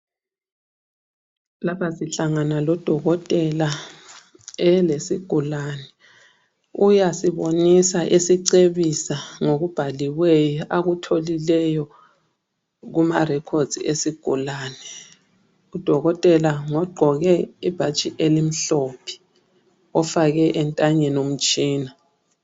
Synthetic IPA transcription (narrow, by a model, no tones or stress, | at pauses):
lapʰasiɬaŋanalɔd̥ʱɔɣɔtʼɛla | ɛlesiɡ̥ʱulanɛ | ujasiβonisaʔesiǀeβisaŋoɣub̥ʱaliwejɔʔaɣutʰolilɛjɔ | ɣumarɛkʰod̥z̥iesiɡ̥ʱulaːnɛ | ud̥ʱɔɣɔtʼɛlaŋɔɡ͡ǃʱɔɣɛib̥ʱat͡ʃʼiʔelim̩ɬɔːpʰi̥ | ɔfaɣɛʔɛntʼaɲɛnom̩t͡ʃʼiːna